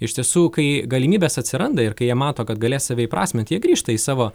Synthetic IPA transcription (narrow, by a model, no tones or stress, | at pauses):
ɪʃʲt̪ʲiɛsuːkɐɪɡɐlʲɪmʲiːbʲeːsɐt̪ʲsʲɪɾɐnd̪ɐɪɾkɐɪjiɛmɑːt̪oːkɐt̪̚ɡɐlʲeːsɑːʋʲeɪːpɾɑ̰ːsʲmʲɪnt̪ʲjiɛɡɾʲiːʃt̪ɐiːsɑːʋoː